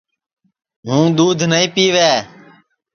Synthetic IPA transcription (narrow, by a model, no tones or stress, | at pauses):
ɦũːd̪uːd̪ʱnəĩːpiːʋeː